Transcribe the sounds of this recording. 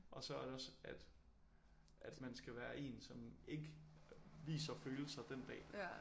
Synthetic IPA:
ʔɒ̽sɒ̽æɐɾe̝ɒ̽sæd̥ | ʔæd̥mænsɡ̥æʋæːɐʔe̝̰ːnsɒ̽me̝ɡ̥ə | ʋḭːsɐføːl̩sɑ̈d̥end̥ɛ̰ː

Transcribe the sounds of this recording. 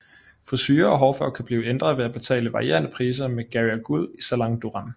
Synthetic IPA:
fɒsyːɐɒɦɒːfɶɐ̰kʰæb̥liːʊəend̥ʁɐð̞̩ˠʋe̝æb̥e̝t͡sʰɛ̰ːləʋɑ̈ʁie̝̰ːɐnəpʰʁiːs̬ɐmeɡ̥æiæɡ̥ul̰isælɑ̈ŋd̥uʁɑn

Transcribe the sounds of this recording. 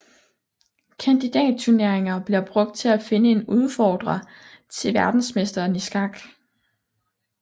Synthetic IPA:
kʰænd̥id̥ɛ̰ːd̥̚t͡sʰuɐne̝ɐ̰eŋɐb̥liɐb̥ʁɔ̽ɡ̥̚d̥̚t͡sʰe̝læfe̝nəe̝nuð̞ˠfɒːd̥ʁɐt͡sʰe̝ʋæɐd̥n̩smesd̥ɐːnisɡ̥ɑ̈ɡ̥

